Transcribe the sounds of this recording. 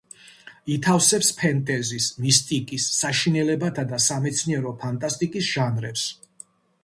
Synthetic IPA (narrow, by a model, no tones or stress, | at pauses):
it̪ʰafsɛpspʰɛnt̪ʼɛzismist̪ʼikʼisːaʃinɛlɛbat̪ʰad̪asamɛt̪sʰniɛɾɔpʰant̪ʼast̪ʼikʼisʒ̥anɾɛps